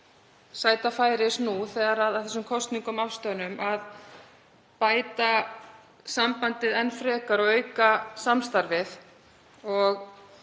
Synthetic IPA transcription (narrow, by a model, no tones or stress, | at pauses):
saːjt̪afaːjɾɪsnuθɛːɣaɾaðaðθɛsːʏmkʰɔst̪niŋkɔmafst̪œnʏmʔað | paːjt̪a | sampant̪ɪðɛnfɾɛːkaɾɔɣœːɥkasamst̪aɾvɪð | ɔɣ